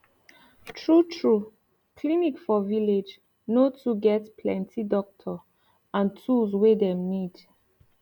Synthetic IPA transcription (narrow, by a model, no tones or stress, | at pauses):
tʰɹutʰɹu | kʰlinikfɔviled͡ʒ | notʰuɡɛtpʰlɛ̰̃ntʰidɔk̚tʰɔ | ãntʰuzwedɛ̃mnid